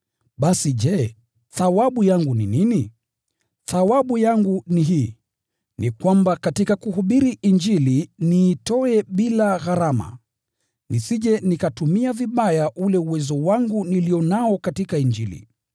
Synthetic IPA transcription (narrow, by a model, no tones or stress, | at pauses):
ɓasiʄɛ | θawaɓujaŋɡuninini | θawaɓujaŋɡuniɦiː | nikwambakatikakuɦuɓiɾiʔind͡ʒiliniːtɔɛɓilaɣaɾama̰ | nisiʄɛnikatumiaviɓajaʔulɛuwɛzɔwaŋɡuniliɔnaɔkatikaind͡ʒilḭ